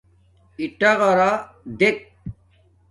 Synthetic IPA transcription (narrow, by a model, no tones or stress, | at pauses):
iʈaɣɐɾa | d̪ek̚